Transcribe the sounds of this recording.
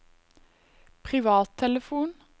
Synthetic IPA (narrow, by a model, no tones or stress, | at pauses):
pʰʁɪʋɑːt̪ʰɛləfuːn